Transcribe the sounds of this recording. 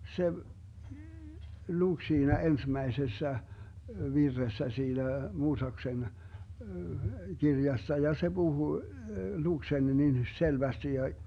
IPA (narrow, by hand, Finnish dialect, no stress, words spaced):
se luk siːnæ ensmæesesːæ ʋirːesːæ siːnæ muːsɑksen kirjɑsːɑ jɑ se b̥uhu luk sen niːn selʋæsti jɑ